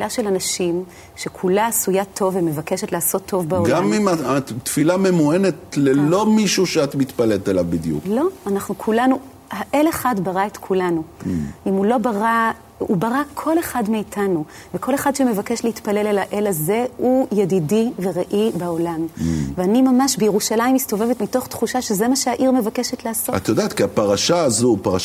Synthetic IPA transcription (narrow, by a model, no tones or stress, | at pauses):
ilaʃe̞lanaʃim | ʃe̞kʰulaːsujatʰo̞vːemevake̞ʃetlaːso̞tʰːo̞vbaolaamimaat̪filame̞moenet̪lelo̞miʃuʃeatmit̪palelt̪alavbid̪jṵklo̞anaχnukʰulanu | haʔe̞leχadbaʁaetkʰulanuimulo̞baʁa | ṵbaʁakʰo̞le̞χadmeitʰanu | veko̞le̞χadʃeme̞vake̞ʃlehitpale̞lelaʔe̞laze̞hujedidive̞ʁeʔibao̞lamveanimamaʃbejeʁuʃalaimisto̞vevetmito̞χtχuʃaʃeze̞maʃeaʔiʁme̞vake̞ʃetleːsota̰t̪ːojodat̪kiapaʁaʃaːzupaʁa